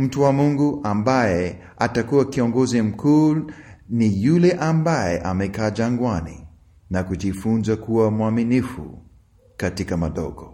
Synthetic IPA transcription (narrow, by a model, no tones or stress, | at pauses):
m̩tuwamuŋɡuʔambajɛ | atakuakiɔŋɡɔzim̩kʰuː | nijulɛʔambajɛʔamɛkaːd͡ʒaŋɡwanḭ | nakuʄifunzakuwamuaminifṵ | katikamaɗɔ̰ɡɔ